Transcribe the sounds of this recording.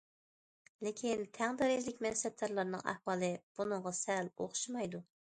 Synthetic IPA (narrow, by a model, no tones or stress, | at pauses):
lɪkʲʰint̪ʰɛŋd̪ɛɾɪzlɪkʲmɛnsɛt̚t̪ːɑɾlˠɑɾnɨ̰ŋæ̰hwɑːlˠɨb̥unɨŋʁɑsɛlo̰χʊ̥ʃimɑjd̪u